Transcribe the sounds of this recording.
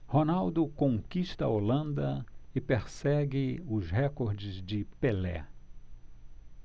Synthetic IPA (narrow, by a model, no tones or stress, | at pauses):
honawd̪ʊkõŋkiʃt̪ɐolɐ̃nd̪ɐɪpeɾsɛɡɪʊzɦɛkoɾd͡ʒɪzd͡ʒɪpelɛ̰